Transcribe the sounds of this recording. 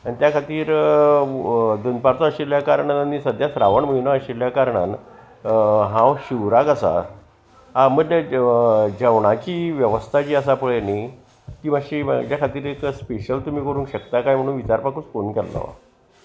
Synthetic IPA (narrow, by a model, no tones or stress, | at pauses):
anit̪jakʰat̪iːɾ | d̪ənpaɾt͡sɔəɕiljakaɾɳat̪anisəd̪ʱjasɾaʋəɳməinɔəɕiljakaɾɳa̰n | ɦãwɕiʋɾakasa̰ | aməʈ̪le | d͡ʑəʋɳat͡ɕiːʋjəʋəst̪ʰat͡ɕiːəsapəɭeni | kiʋãɕiːmə̰d͡ʑjakʰat̪iːɾekspeɕəlt̪um̤iːkəɾuːnkɕəkt̪akajm̤əɽ̃uːnʋit͡ɕaɾpakuːt͡skonkɛlːɔ̰